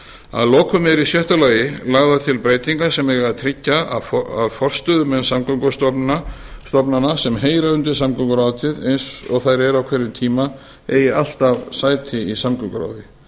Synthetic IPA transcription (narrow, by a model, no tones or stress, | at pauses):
a̰ðlɔːkʰʏmɛɾisjœht̪alaːjɪlaɣðat̪ʰɪlpɾeːjt̪iŋkasɛmɛɣaðt̪ʰɾɪcːaaaðfɔr̥st̪ʏðʏmɛnsamkʏŋkɔst̪ɔ | st̪ɔpnanasɛmɦeːjɾaʏnt̪ɪɾ̥samkʏkɾawt̪ʰɪðḛjnsɔɣθajɾɛɾawkʰvɛɾɪmt̪ʰiːma | eːjɪal̥t̪avsaːjt̪ʰɪisamkʏkɾa̰wðɪ